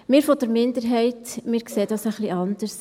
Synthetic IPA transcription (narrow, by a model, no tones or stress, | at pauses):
mɪːɾfɔdəɾmɪndəɾɦɛɪtmɪːɾkseːd̥ɑsəχliʔɑnd̥əɾs